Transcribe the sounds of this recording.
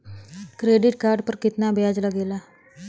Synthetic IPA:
kɾeɖiʈ̚kaɾɖpəɾkit̪nabʱjad͡zlaɡela

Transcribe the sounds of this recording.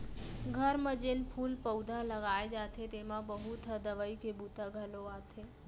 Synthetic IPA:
ɡʱəɾməd͡ʒenpʰulpəwd̪ʱaləɡajd͡ʒat̪ʰet̪emãbəɦut̪ʰəd̪əʋəikebut̪aɡʱəloat̪ʰe

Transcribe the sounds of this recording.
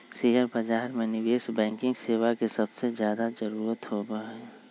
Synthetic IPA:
seɦəɾbɐd͡ʒaːɾmẽnɪʋeːsbɛ̃ːŋkɪ̃ŋɡseːʋakesɐbsezjaːd̪ad͡ʒəɾuːɾət̪hoːbəɦɛː

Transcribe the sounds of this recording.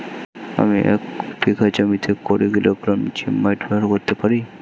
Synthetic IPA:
a̰miʔɛ̰kpikʰat͡ɕomit̪ʰekːɔɾeɡilokɾɔmt͡ɕimːajʈbɛɾkoɾt̪epaɾi

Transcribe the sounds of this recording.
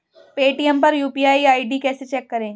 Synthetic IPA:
peːʈijɛmpɐɾjuːpiːaːiaːiɖikɛːset͡ʃɛːkːɐɾẽː

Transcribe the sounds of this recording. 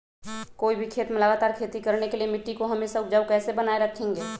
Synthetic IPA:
koːibʱikʰeːt̪meləɡaːt̪aːɾkʰeːt̪ikəɾnekelijemɪʈːikoɦɐmeːsaʊd͡ʒəʊkɛːsebənaːeɾəkʰẽːŋɡeː

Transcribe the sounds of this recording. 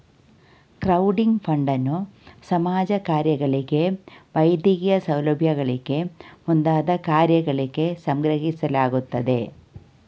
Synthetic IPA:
kɾɐwɖiŋɡpʰɐɳɖɐnːusɐmaːd͡ʒɐkaːɾjɐɡɐɭiɡe̞ʋɐjd̪jiɡijɐsɐwlɐbʱjɐɡɐɭiɡe̞mund̪aːd̪ɐkaːɾjɐɡɐɭiɡe̞sɐŋɡɾɐɦisɐlaːɡut̪ːɐd̪e̞

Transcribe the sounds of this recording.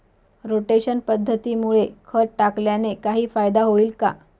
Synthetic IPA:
ɾoʈeɕənpəd̪ʱːət̪iːmuɭekʰəʈakljanekaɦiːfajd̪aɦoiːlka̰

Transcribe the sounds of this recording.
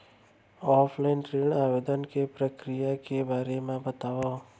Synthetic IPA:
ɔːpʰlainʈɾeɳaːʋed̪ənkepɾəkɾijakebaːɾemãbət̪aʋo

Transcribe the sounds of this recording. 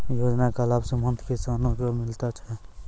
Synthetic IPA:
joːd͡ʒnakalaːbsẽmənt̪kesanõkomɪlt̪at͡ʃʰɛ

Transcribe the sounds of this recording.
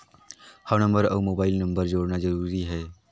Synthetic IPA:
hənə̃mbəɾɐ̰ʋmoːbaːɪlnə̃mbəɾd͡ʒoːɽnazəɾuːɾiɦɛː

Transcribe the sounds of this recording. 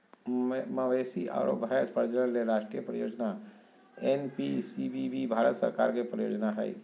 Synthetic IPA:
məʋesia̰ːɾo̰pɛspəɾd͡ʒələɾleɾaːʃʈɾijəpɾəjoːd͡ʒna | enpisibibibʱaːɾət̪sə̰ɾka̰ːɾkepɾəjoːd͡ʒnaɦɛ̰i

